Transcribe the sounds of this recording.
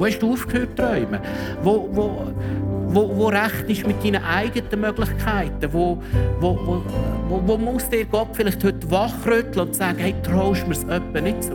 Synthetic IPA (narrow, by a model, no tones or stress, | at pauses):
oːhɛʃd̥uːuːfkhøːtːrœʏmə | vovo | vovoɾæχtɪʃmɪt̚diːnəʔaɪɡətəmœɡlɪχkʰæɪtəʋovovoovomʊsd̥ɪːɾɡ̥ɔpfɪlɪχthʏtːvɑχrʏt̪ləʊntsæːɡ̥əhɛɪt̪rɔʊʃməɾsœpːənɪt̚t͡su